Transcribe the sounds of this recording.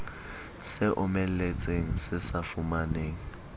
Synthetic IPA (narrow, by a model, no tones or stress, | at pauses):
sɪʔʊmɛl̩let͡sʼeŋ̩sɪsafumaneːŋ̩